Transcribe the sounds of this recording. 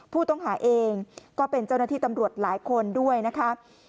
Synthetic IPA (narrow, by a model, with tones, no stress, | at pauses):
pʰuː˥˩t̪ɔ˥˩ŋɦaː˩˦ʔeː˧ŋkɔː˥˩pe˧nt͡ɕa˥˩wnaː˥˩iː˥˩t̪a˧mɾu˨˩ət̪̚laː˩˦jkʰo˧ndu˥˩əjna˦˥kʰa˦˥